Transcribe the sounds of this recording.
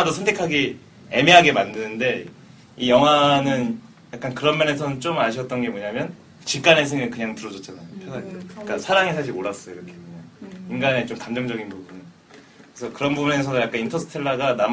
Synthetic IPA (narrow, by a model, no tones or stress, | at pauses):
dosʰʌntʰe̞kʰaɡi | eme̞ɦaɡe̞mandɯnɯnde̞ | ijʌŋɦwanɯn | jak͈ankɯɾʌmjʌne̞sʰʌnɯnt͡ɕ͈omaɕ̬ʰʌt̚t͈ʌnɡe̞moɲamjʌn | t͡ɕik͈ane̞s̬ʰɯŋɯkɯɲaŋtɯɾʌd͡ʑʌt̚t͡ɕ͈anajopʰjʌsʰak͈asʰaɾaŋisʰaɕ̬ʰiɾoɾas͈ʌjoiɾʌkʰekɯɲaŋinɡane̞t͡ɕ͈omkamd͡ʑʌŋd͡ʑʌɡinpubunɯ | kesʰʌkɯɾʌnbubune̞s̬ʰʌojak͈anintʰʌsʰɯ̥tʰeɭːaɡanam